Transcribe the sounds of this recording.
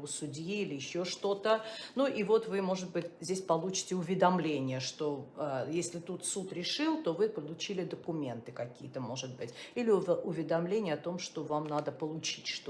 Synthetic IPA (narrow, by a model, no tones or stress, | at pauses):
ʊsʊdʲjiilʲɪjɪɕːoʂt̪o̞t̪ənuʔivo̞t̪vɨmo̞ʐɨt̪bɨtʲzʲdʲesʲpɐlˠut͡ɕɪ̥tʲɪʊvʲɪd̪ɐmlʲenʲɪjəʂt̪o̞ajesʲlʲɪt̪ut̪sut̪ɾʲɪʂɨlˠt̪o̞vɨpəlˠʊt͡ɕilʲɪd̪əkʊmʲe̞nt̪ɨkɐkʲijət̪əmo̞ʐɨt̪̚bɨtʲilʲɪʊvʲɪd̪ɐmlʲenʲɪjəɐt̪o̞mʂt̪o̞vamnad̪əpəlˠʊt͡ɕitʲʂt̪